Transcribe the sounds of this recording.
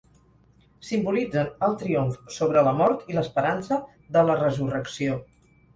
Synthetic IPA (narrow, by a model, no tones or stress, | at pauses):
simbulid͡zənəlˠt̪ɾioɱfsoβɾələmɔɾt̪iləspəɾansə | ðələrəzurəksio